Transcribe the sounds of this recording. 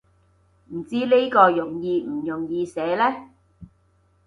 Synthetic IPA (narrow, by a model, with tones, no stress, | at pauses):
m̩˨˩t͡siː˥le˥kɔː˧jʊ˨˩ŋjiː˧m̩˨˩jʊ˨˩ŋjiː˧sɛː˨˥lɛː˥